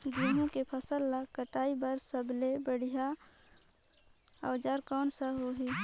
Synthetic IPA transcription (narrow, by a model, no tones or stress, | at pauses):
ɡɾiɦõkepʰəsəlːakəʈaːibəɾsəblebəɽ̤ija | a̰ːd͡ʒaːɾkɔːnsaɦoɦi